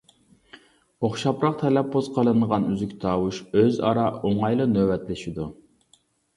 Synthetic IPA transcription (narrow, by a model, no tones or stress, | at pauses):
oχʃɑpɾɑq̚t̪ʰɛlɛpʰːoz̥qʰɑlˠɨnəʁɑnyzykʲt̪ʰɑːwuʃøzɑ̰ɾɑoŋɑjlˠɨnøwɛt̪lɪʃid̪u